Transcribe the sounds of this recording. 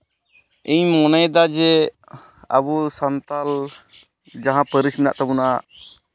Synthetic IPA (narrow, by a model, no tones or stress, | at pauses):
iɲmɔnəjd̪ad͡ʒɛ | əbusant̪al | d͡ʒaɦãpəɾismina̰ʔt̪abunaa